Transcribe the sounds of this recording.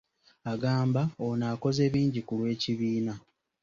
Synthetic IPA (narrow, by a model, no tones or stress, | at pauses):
aɡaːmbaonaːko̞ze̞ːβiːɲɟikulwe̞ːciβiːna